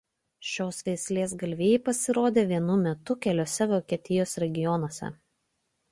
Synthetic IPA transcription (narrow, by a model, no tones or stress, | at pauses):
ʃʲoːsʋʲɛɪsʲlʲeːs̬ɡɐlʲʋʲeːjɛpɐsʲɪɾoːd̪ʲeːʋʲiɛnʊmʲɛt̪ʊkʲɛlʲoːsʲɛʋoːkʲiɛt̪ʲɪjoːsɾʲɛɡʲɪjɔnoːsʲɛ̰